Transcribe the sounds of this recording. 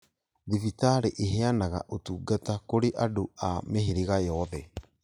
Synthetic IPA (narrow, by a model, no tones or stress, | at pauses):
ðivitaɾeʔeɦeanaɣa̰ʔotuːɡatakoɾeʔadoameɦeɾeɣajɔɔðɛ